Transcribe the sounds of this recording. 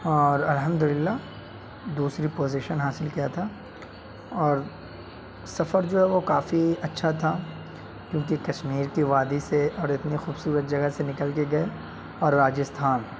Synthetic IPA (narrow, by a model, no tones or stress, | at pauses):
ɔːɾɐlɦɐmd̪ʊlɪlːa | d̪uːsɾipoːzɪʃənɦaːsɪlkijat̪ʰa | ɔːɾ | sɐfəɾd͡ʒoːɦɛʋokaːfiɐtːʃʰat̪ʰa | kjõːk̬ikɐʃmiːɾkiʋaːd̪iseʔɔːɾɪt̪nexuːbsuːɾət̪̚d͡ʒɐɡəsenɪkəlkeɡɐe | ɔːɾːaːd͡ʒɪst̪ʰaːn